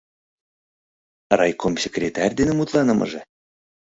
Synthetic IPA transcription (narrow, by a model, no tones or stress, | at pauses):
rɑjkʰomsʲekrʲet̪ærʲd̪enɘmut̪lˠɑnɤmʔɤ̰ʒĕ